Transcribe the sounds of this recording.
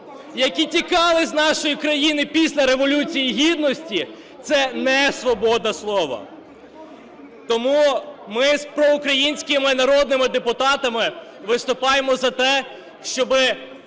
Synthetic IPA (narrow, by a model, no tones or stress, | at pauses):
jɐkʲitʲikɑlˠɪznɑʃɔjikɾɐjinɪpʲisʲlʲɐɾe̞ʋɔlʲut͡sʲijiɦʲid̪̚nɔsʲtʲi | t̪sɛnɛsʋɔbɔd̪nɐslˠɔʋɐ̰ | t̪ɔmumɪspɾɔʊkɾɐjinʲsʲkɪmɪnɐɾɔd̪nɪmɪd̪epʊt̪ɑt̪ɐmɪ | ʋɪst̪ʊpɑjemɔzɐt̪ɛ | ʃt͡ʃɔbɪ